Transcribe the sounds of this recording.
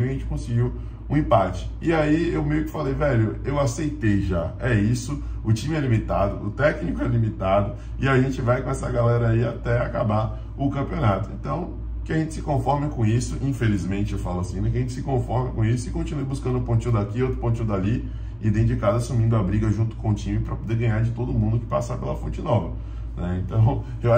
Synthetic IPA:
ɐʒẽnt͡ʃɪ̥kõsɪɡiw | ũẽpat͡ʃɪ̥ɪaiewmejʊkɪ̥falejvɛʎʊewasejt̪ejʒaɛisʊ | ʊt͡ʃĩmɪɛlimit̪ad̪ʊ̰ʊt̪ɛknikʊɛlimit̪ad̪ʊ | ɪaʒẽnt͡ʃɪvajkõɛsɐ̰ɡalɛɾɐiat̪ɛakaba | ʊkɐ̃mpionat̪ʊḛ̃nt̪ɐ̃w̃ | kɪaʒẽnt͡ʃɪsɪkõfɔɾmekõisʊʔĩfelizmẽnt͡ʃɪewfalʊasĩnɛ̃kɪɐʒẽnt͡ʃɪ̥sɪkõfɔɾmɐkõisʊɪkõnt͡ʃinujbuskɐ̃nd̪ʊ̃põnt͡ʃĩɲʊ̃d̪akiot̪ɾʊpõt͡ʃĩɲ̃d̪ali | id̪ẽd͡ʒɪkazɐsumĩnd̪ʊabɾiɡɐʒũnt̪ʊ̥kõʊt͡ʃĩmɪpɾɐpod̪eɡɐ̃ɲaɾd͡ʒɪt̪od̪ʊmũnd̪ʊkɪ̥pasaɾpelɐfõt͡ʃɪnɔvɐ | nɛẽnt̪ɐ̃w̃ | ewa

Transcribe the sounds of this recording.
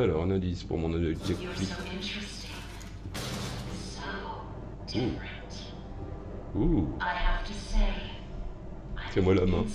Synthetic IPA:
alɔʁãnãd̪ispṵʁmɔ̃nɔɔbʒɛk̚t̪ʰif | u | t | uahftse | sɛmwalamɛ̃

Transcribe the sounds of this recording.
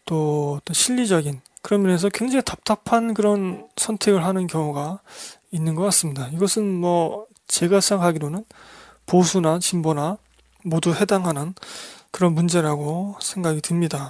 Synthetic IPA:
t͈oʌt͈ʌnɕʰiʎːid͡ʑʌɡinkɯɾʌmjʌnesʰʌkweŋd͡ʑeŋitap̚t͈ʰapʰankɯɾʌnsʰʌntʰe̞ɡɯɭɦanɯnkjʌŋuɡa | inːɯnɡʌk͈ats͈ɯmɲidaiɡʌsʰɯnmʌ | t͡ɕe̞ɡasʰɯaŋɦaɡiɾonɯn | posʰunat͡ɕimbona | moduhe̞daŋɦanɯnkɯɾʌnmund͡ʑe̞ɾaɡosʰe̞ŋɡaɡitɯmɲida

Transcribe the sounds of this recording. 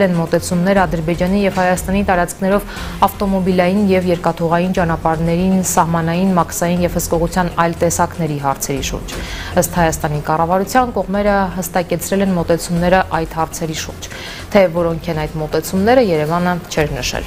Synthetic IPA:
lɛnmɔt̪ɛt͡sʰumnɛɾəɑd̪əɾbɛd͡ʒɑn̪ijɛvhɑjɑst̪ɑnit̪ɑɾɑt͡skʰnɛɾɔv | ɑft̪ɔmɔbilɑjinjɛvjɛɾkɑt̪ʰɔʁɑjint͡ʃɑnɑpɑɾnɛɾinsɑhmɑnɑjinmɑksɑjinjɛv̥həskɔʁut͡sʰjɑnɑjlt̪ɛsɑkn̪ɛɾiɦɑɾt͡sʰɛɾiʃṵɾd͡ʒəst̪hɑjɑst̪ɑnikɑrɑvɑɾut͡sʰjɑnkɔʁmɛɾəɦəst̪ɑkɛt͡sʰɾɛlɛnmɔt̪ɛt͡sʰumnɛɾəʔɑjt̪hɑɾt͡sʰɛɾiʃṵɾd͡ʒ | t̪ʰɛvɔɾɔŋkʰɛnɑjd̪mɔt̪ɛt͡sʰumnɛɾəjɛɾɛvɑnət͡ʃʰɛɾnəʃɛ̰l

